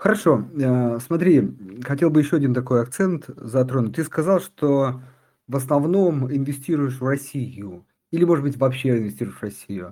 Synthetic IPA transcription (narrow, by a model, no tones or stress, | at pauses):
xəɾɐʂo̞əsmɐt̪ɾʲixɐtʲelˠbɨjɪɕːoɐdʲint̪ɐko̞jɐk̚t̪sɛnt̪zɐt̪ɾonʊt̚ʲt̪ːɨskɐzɑlˠʂt̪o | vəsnɐvno̞mɪnvʲɪsʲtʲiɾʊjɪʂvrɐsʲijʊ | ilʲɪmo̞ʐɨd̪bɨtʲvɐpɕːeɪnvʲɪsʲtʲiɾʊɪʂrɐsʲijʊ